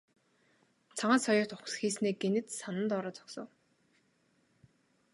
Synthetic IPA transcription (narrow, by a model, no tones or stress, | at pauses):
t͡sʰaʁaːsɔjʊ̥ːt̪ʊχsxiːsniːɡ̚ɡenɘ̆t̪sanə̆nt̪ɔːɾɔːt͡sɔ̥ksə̆w